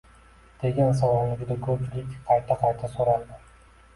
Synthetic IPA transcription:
d̪̥e̞ɡʲans̬ɒwɾanɪd͡ʒʲɪd̪akʰɵp̚t͡ʃɪlɪkʲːqʰɑjt̪ʰaqʰɑjt̪ʰasoɾald̪ɪ

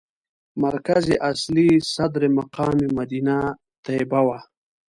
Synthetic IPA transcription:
maɾkazeʔaslisad̪ɾemaqɑːmimad̪ina | t̪abawa

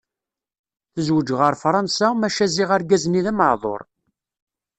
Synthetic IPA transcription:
θəzwəd͡ʒʁəɾˤfɾˤɑnsamæʃæzɪʁəɾɡæzniðæməʕðˤo̰ɾˤ

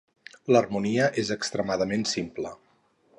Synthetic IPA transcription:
lərmuniəʔezəkst̪ɾəmaðəmensimplə

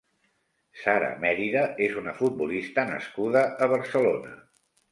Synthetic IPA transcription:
saɾə̰mɛɾiðəezunəfut̪̚bulist̪ənə̰skuðəʔːβ̞əɾsəlonə

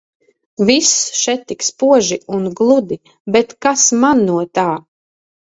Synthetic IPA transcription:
visʃɛt̪ːikspuɔʒiunɡlˠud̪i | bɛt̪kasmanːuɔt̪aː

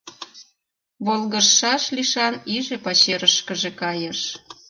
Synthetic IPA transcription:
βolˠɣərːɑʃliʃɑniʒepɑt͡ɕeɾəʃkəʒĕkɑjəʃ

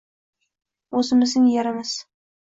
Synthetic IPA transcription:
ɵzɪmɪznɪŋjaɾamas

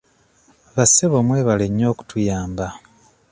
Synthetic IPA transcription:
βaseβomwe̞ːβaleɲːo̞ːku̥tujaːmba

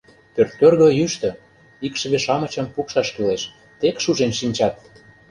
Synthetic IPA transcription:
pørt̪ːørɣøjyʃt̪ø̆ | ikʃə̆βeʃɑmɤ̆t͡ɕɤ̆mpukʃɑʃkileʃ | t̪ekʃuʒenʃinʲt͡ɕɑt̪̚

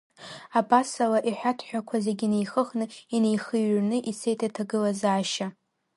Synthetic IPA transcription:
abasalaʔiħʷᶣatʰħʷᶣakʷʰazeɡʲinejχəχnɨine̞jχɨɥnɨʔisejtʰatʰaɡɨlazaːʃa

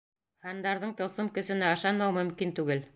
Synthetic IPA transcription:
χɑnd̪ɑɾðɤɴt̪ɤ̆lˠsɤmkɵ̆sɵ̆næɤ̆ʃɑnmɑwmɵ̆mkint̪ʉɡɘl

